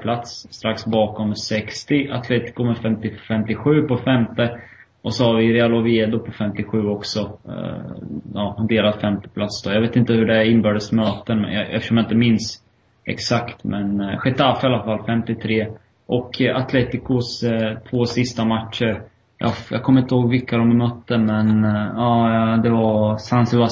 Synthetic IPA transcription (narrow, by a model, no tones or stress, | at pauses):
pʰlat̪sːt̪ɾaksbɑːkɔmsɛkst̪ɪʔat̪ʰleːt̪ɪ̥kʊmɛfɛmt̪ɪfɛmt̪ɪɧʉ̟ːpɔfɛmt̪ə | ɔsɔhaɾvɪɾɛalɔvɪeːd̪ʊpʰɔfɛmt̪ɪɧʉ̟ːɔksɔ | ɑːhand̪eːɾad̪fɛmt̪ɪ̥pʰlat̪sd̪̥ɔːjaveːt̪ɪnt̪əhɵɖɛæɾɪnbœːɖəsmøːt̪ən̰ɛ̰ft̪ə̥ʂɔmjaɪt̪əmɪns | ɛ̰ksakt̪mɛnɧɛt̪ʰafɪalːafalːfɛmt̪ɪt̪ʰɾeː | ʔɔkʰat̪ʰleːt̪ɪkʊst̪ʰvosɪst̪amatʂəɾ | jɑ̰jɑ̰ːkʰɔmːɾɪnt̪ːəhoːɡvɪkːad̪ɔmmœt̪ːəmɛnɑːd̪ɛvasansɪlva